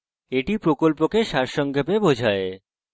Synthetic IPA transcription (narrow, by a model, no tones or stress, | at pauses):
eʈipɾokolpokeʃaɾʃɔŋɡʱepebod͡ʑʱae